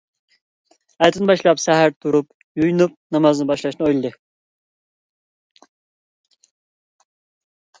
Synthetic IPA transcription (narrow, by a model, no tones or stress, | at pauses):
ɑjt̪ʰɨnɨbɑʃlˠɑpsæɦæɾt̪ʰuɾup | jujunup̚nɑmɑznɨbɑʃlˠɑʃnɨojlˠɨd̪ɨ